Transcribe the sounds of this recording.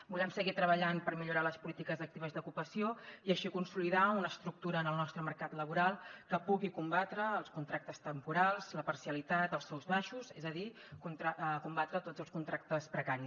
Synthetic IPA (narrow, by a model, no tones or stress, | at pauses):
bulɛmsəɣit̪ɾəβəʎanpəɾmiʎuɾaləspulit̪ikəzək̚t̪iβəzðukupəsioiəʃikunsuliðaunəːst̪ɾuk̚t̪uɾəːnəlˠnɔst̪ɾəmərkat̪ləβuɾalˠkəpuɣikumbat̪ɾəːlˠskunt̪ɾak̚t̪əst̪əmpuɾalˠzləpərsiəlit̪at̪əlˠsɛwzβaʃuzezəði | kunt̪ɾakumbat̪ɾət̪ozəlˠskunt̪ɾak̚t̪əspɾəkaɾi